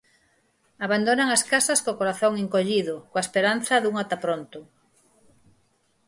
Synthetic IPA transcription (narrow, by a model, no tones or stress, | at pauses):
aβand̪onaŋɐskasɐskokoɾaθoŋeŋkoʎiðʊkoaespeɾan̟θɐðuŋat̪apɾont̪ʊ